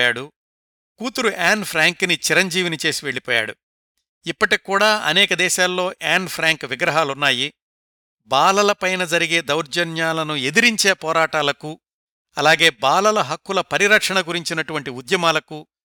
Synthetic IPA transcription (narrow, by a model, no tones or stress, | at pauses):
jaːɽu | kuːt̪uɾuʔaːnpʰɾaːŋknit͡ʃiɾɐɲd͡ʒiːʋinit͡ʃe̞ːsiʋe̞ɭːipɔːja̰ːɽṵ | ipːɐʈikːuːɽaːɐ̰nɛːkɐd̪ɛːʃaːlːo̞ːʔaːnpʰɾaːŋkʋiɡɾɐɦaːlunːaːji | baːlɐlɐpɐjnɐd͡ʒɐɾiɡe̞ːd̪ɐwɾd͡ʒɐnjaːlɐnue̞d̪iɾiɲt͡ʃe̞ːpɔːɾaːʈaːlɐku | ɐlaːɡe̞ːbaːlɐlɐɦɐkːulɐpɐɾiɾɐkʂɐɳɐɡuɾiɲt͡ʃinɐʈuʋɐɳʈiud̪jɐmaːlɐku